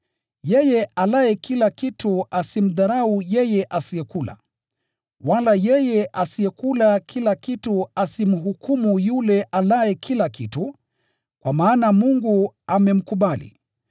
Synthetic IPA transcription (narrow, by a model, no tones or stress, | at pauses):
jɛjɛalajɛkilakituasim̩ðaɾaujɛjɛʔasiɛkula̰ | walajɛjɛʔasiɛkulakʰilakituasim̩ɦukumujulɛʔalajɛkʰilakitu | kwamaːnamuŋɡuamɛm̩kuɓalḭ